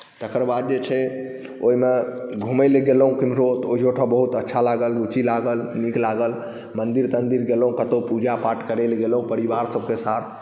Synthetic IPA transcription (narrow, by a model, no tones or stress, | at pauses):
t̪əkəɾbad̪̚d͡ʒet͡ʃʰɛ | oimeɡʱumɛleɡeləɦũkimɾot̪oiɦoʈʰəbəɦut̪ətːʃʰalaɡəlɡut͡ʃilaɡəlniklaɡəl | mənd̪iɾt̪ənd̪iɾɡeləɦũkət̪opud͡ʒapaʈʰkəɾɛleɡelɦũpəɾibaɾsəb̚kesat̪ʰ